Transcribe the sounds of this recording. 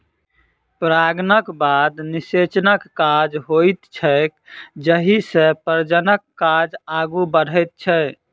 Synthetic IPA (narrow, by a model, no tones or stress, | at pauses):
pɾaɡnəkbad̪niset͡ʃnəkːad͡ʒɦoɪt̪t͡ʃʰək̚d͡ʒəɦisẽpəɾd͡ʒənəkːad͡ʒaɡubəɽ̤ʱəɪt̪̚t͡ʃʰɛ